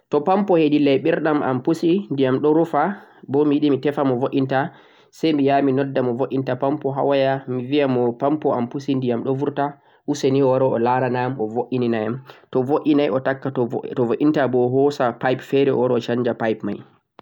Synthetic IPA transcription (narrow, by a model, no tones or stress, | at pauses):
tɔpampɔhedilɛjɓiɾɗamʔa̰mpusindijamɗɔɾufabɔmijiɗimitɛfamɔvoʔinta | sɛjmijaːminɔdːamɔvoʔintapampɔɦa̰wajamivijamɔpampɔampusindijamɗɔvuɾta | huseniwɔɾɔɔlaɾanamɔvoʔininajamtɔvoʔinajɔtakːatɔvoʔintabɔɦɔsapajpfɛɾɛɔ̰wɔɾɔɔt͡ʃaɲd͡ʒapajpma̰j